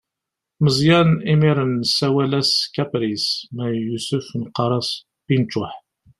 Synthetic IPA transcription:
məzjæɾnimiɾənsæwælæskæpɾismæjusʊfnqːɑɾˤɑs | pint͡ʃːʊħ

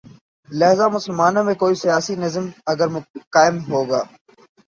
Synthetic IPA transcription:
lɐɦzaːmʊsəlmaːnõːmẽːkoːiːsɪjaːsiːnəzmɐɡəɾmkaːɪmɦoːɡa̰ː

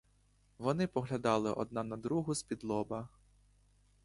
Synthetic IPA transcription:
ʋɔnɪpɔɦlʲɐd̪ɑlˠɪʔɔ̰d̪nɑnɐd̪ɾuɦʊspʲid̪lˠɔbɐ

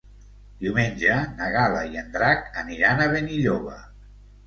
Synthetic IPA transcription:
d̪̥iwmenʲʒənəɣaləiənd̪ɾakəniɾanəβeniʎoβə̰

